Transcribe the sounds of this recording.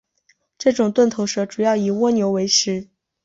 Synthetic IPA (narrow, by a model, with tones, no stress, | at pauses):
ʈ͡ʂɤ˥˩ʈ͡ʂʊ˨˩ŋt̪wə˥˩nt̪ʰo˧˥ʊʂɤ˧˥ʈ͡ʂu˨˩jɑ˥˩ʊi˨˩wɔ˥njo˧˥ʊwe˧˥ɪʂɻ̩˧˥